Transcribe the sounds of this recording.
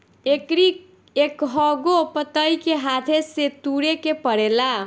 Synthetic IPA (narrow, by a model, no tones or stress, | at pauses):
ekɾi | ekɦʌɡopət̪ʌjkeɦat̪ʰeset̪uɽekepʌɽela